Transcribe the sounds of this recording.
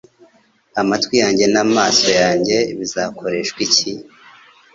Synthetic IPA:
amatwijaːɲɟe̞naːmaːso̞jaːɲɟe̞βizaːkʰo̞ɾe̞ʃkwici

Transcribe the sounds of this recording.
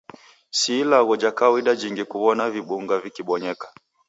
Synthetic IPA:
silaɣɔd͡ʒakawiɗad͡ʒiŋɡikuβɔnaviɓuŋɡavikiɓɔɲɛkḁ

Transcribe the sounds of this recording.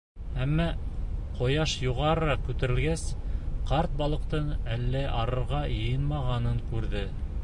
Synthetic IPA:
æmːæqŏjɑʃjuʁɑɾɤ̆ɾɑkʉt̪ɘ̆ɾɘ̆lɡæsqɑɾt̪̚bɑlˠɤ̆qt̪ɤnælːæʔɑɾɤ̆ɾʁɑjɤ̆jɤnmɑʁɑnɤŋkʉɾðɘ

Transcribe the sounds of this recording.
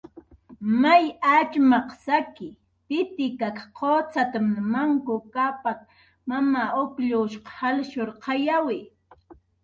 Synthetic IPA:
majat͡ʃmɑqsakɪ | pɪt̪ɪkakqʰoːt͡sat̪amnmaŋkʊkapat̪̚ | mamaokʎuʃqɑ̥halʃʊɾqʰɑjawɪ

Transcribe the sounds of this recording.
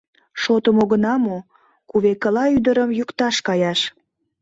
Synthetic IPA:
ʃot̪əmoɣənɑmo | kuβekəlɑyd̪əɾəmjukt̪ɑʃkɑjɑʃ

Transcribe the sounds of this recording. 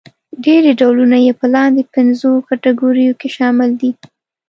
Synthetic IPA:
ɖeɾeɖawlunajepəlɑnd̪epɪnzokaʈaɡoɾijokeʃɑmɪld̪i

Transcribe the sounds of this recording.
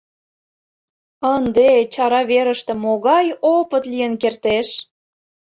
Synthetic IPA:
ənd̪et͡ɕɑɾɑβeɾəʃt̪ĕmoɣɑjopət̪lijənkert̪eʃ

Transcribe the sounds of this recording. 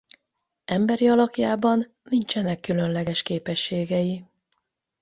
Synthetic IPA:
ɛmbɛɾiɒlɒkjaːbɒnːint͡ʃɛnɛkːylø̞nlɛɡɛʃkeːpɛʃːeːɡɛji

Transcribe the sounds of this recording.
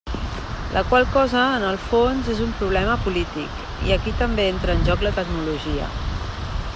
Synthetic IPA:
lʔəkwalˠkɔzəːnəlˠfonzezumpɾuβ̞lɛməpulit̪ik | ḭəkit̪əmbeent̪ɾəːnʲʒɔklət̪əɡnuluʒiə̰

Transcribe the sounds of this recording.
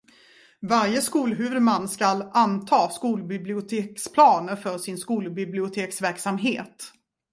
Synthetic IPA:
vaɾjəskuːlɦʉ̟ːvɵd̪manːskalant̪ʰɑːskuːlbɪblɪʊt̪ʰeːkspʰlɑːnəɾfœʂɪnskuːlbɪblɪʊt̪ʰeːksvæɾksamɦeːt̪

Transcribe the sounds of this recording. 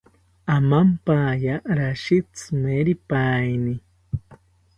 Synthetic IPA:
amampajaɾaʃit͡sɨmeɾipajni

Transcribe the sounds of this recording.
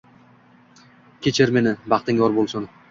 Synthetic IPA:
kʲʰet͡ʃʰɪɾme̞nɪbɑqt̪ɪŋɒɾbolˠsʊn

